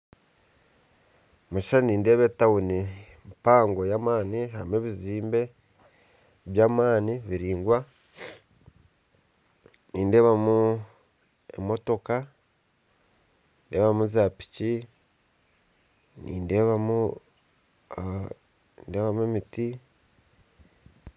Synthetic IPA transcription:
muʃiʃaniːnde̞ːβetawuni | mpaːŋɡo̞jaːmaːnihamue̞ːβiziːmbe̞ | βjaːmaːniβiɾiːŋɡwa | niːnde̞ːβamu | e̞̰mo̞to̞ka | inde̞ːβamuzaːpi̥ci | nḭːnde̞ːβamu | nde̞βamuemiti

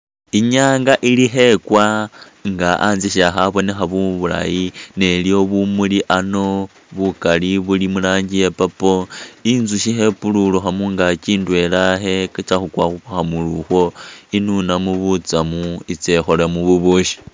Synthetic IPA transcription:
iɲaːŋɡaʔiliɦe̞kwa | ŋɡaʔanziʃaxaβo̞ne̞xaβuβula̰jine̞ljo̞βumuliʔano̞ | βukaliβulimulaːɲɡijepapoinzuʃiɦe̞pululuxamuŋɡat͡ʃiːndwe̞laɦe̞kat͡ʃaxukwaxuxaxamuluxwo̞inunamuβut͡samuit͡sexolemuβuβuʃi̥

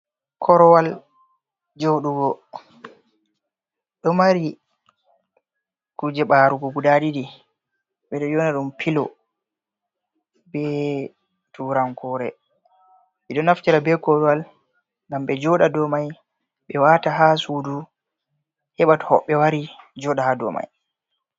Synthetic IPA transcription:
kʰɔɾɔwal | d͡ʒoɗuɡɔ | ɗɔmaɾi | kud͡ʒɛɓaɾuɡɔɡudadidi | ɓɛɗɔd͡ʒɔnaɗumpʰilɔ | bɛ | tuːɾaŋkɔɾɛ̰ | ɓɛɗɔnaftiɾabɛkɔwal | ŋɡamɓɛd͡ʒɔɗadɔmaj | ɓɛwataɦasudu | hɛɓathɔɓːɛwaɾid͡ʒɔɗahadɔ̰ma̰j

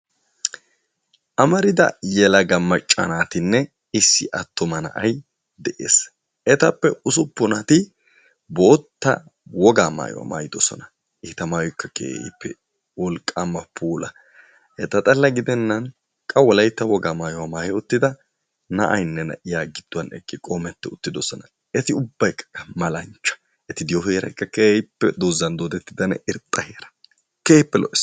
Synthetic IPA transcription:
ʔɐmɐɾɪd̪ɐ̰jɛlɐɡɐmːɐt͡ʃʼːɐ̰naːt̪ɪnːɛ | ɪsːɪʔɐt̪ːɔmɐnɐ̰ʔɐj | d̪ɛʔḛːs | ɛt̪ɐpːɛʊsʊpːʊnɐt̪ɪ | boːt̪ːɐ̰ | wɔɡaːma̰ːjɔ̰wa̰ma̰ːjɪd̪ɔsɔ̰nɐ | ɪt̪ɐmaːjɔkːɐkʼḛːɪ̰pːɛ̰ | wɔlkʼːamːɐpʰuːlɐ | hɛt̪ːɐt̪ʼɐlːɐɡɪd̪ɛnːɐn | kʼɐwɔlɐjt̪ːɐwɔɡaːmaːjɔwamaːjɛʊt̪ːɪd̪ɐ | nɐ̰ʔɐjnːɛnɐ̰ʔɪjaːɡɪd̪̥ːʊwɐnɛ̰kʼːɪkʼomɛt̪ːɛʊt̪ːɪd̪ɔsɔnɐ | ɛt̪ɪʊbːɐjkːɐ̥kːɐmɐlɐnt͡ʃːɐ̥ | ʔɛt̪ɪd̪ɪjɔheːɾɐ̰jkːɐkeːjɪpːɛd̪oːzːɐnd̪oːd̪ɛt̪ːɪd̪ɐnɛʔɪɾt̪ʼːɐheːɾɐ̥ | keːhɪpːɛlɔ̰ʔɛs

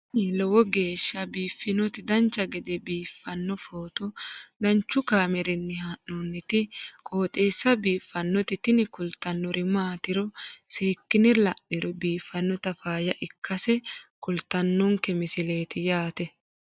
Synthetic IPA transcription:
lɔwɔɡe̞ːʃːɐbiːfːɪnɔt̪ɪd̪ɐnt͡ʃːɐɡɛd̪ɛbiːfːɐnːɔfoːt̪ɔd̪ɐnt͡ʃːʊkaːmɛɾɪnːɪhɐʔːɔnːɪt̪ɪkʼo̞ːt̪ʼeːsːɐbiːfːɐnːɔt̪ɪt̪ɪnɪkʊlt̪ːɐnːɔɾɪmaːt̪ɪɾɔseːkːɪnɪlɐʔɪɾɔbiːfːɐnːɔt̪ɐfaːjɐʔɪkʰːɐsɛkʊlt̪ːɐnːɔŋkɛmɪsɪleːt̪ɪjaːt̪ɛ

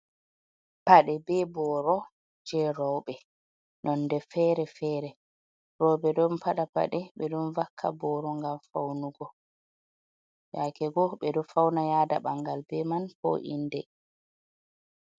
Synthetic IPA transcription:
paɗɛbɛbɔɾɔ | d͡ʒɛɾɔwɓɛ | nɔnːdɛfɛːɾɛfɛːɾɛ | ɾɔwbɛɗɔnpaɗapa̰ɗɛɓɛɗunvakʰːa̰bɔɾɔŋɡamfawnuɡɔ | jakɛɡɔɓɛdɔfawnajaːdaɓaŋɡalbɛmanpɔ̰ʔḭndɛ̰

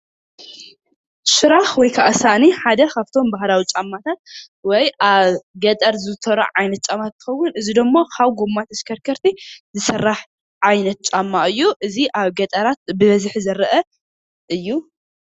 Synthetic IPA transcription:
ʃɨɾaxwɔjkʰaʔasaʔniħad̪ɐkʰaβt̪ʰo̞mbahlawit͡ʃʼamːat̪ʰat̪̚ | wɔjʔaβɡɐt̪ʼɐɾzɨt̪ʰɐɾɐ̰ʕajnɐt̪̚t͡ʃʼamːat̪ʰːɨ̥xɐwːʊnɨzid̪omːokʰaβɡumːat̪ʰɐskʰɐɾkʰɐɾt̪ʰizɨsɐrːaħ | ʕajnɐt̪̚t͡ʃʼamːaʔɨjːuʔɨziʔaβɡɐt̪ʼɐɾat̪̚bɨβɐzħzɐɾɐʔɐ | ʔɨjːu

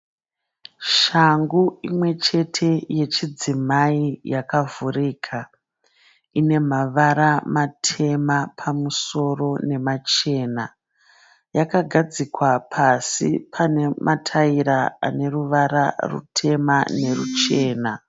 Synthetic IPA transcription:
ʃaŋɡuimwe̞t͡ʃe̞tʰe̞je̞t͡ʃid͡zimaijakavuriːkʰa | ine̞maʋaɾamatʰe̞mapʰamuso̞ro̞ne̞mat͡ʃe̞ːna | jakaɡʱad͡zikwapʰasḭpʰane̞mʔatʰaiɾaa̰ne̞ruʋaɾarṵtʰe̞mane̞rut͡ʃe̞ːna

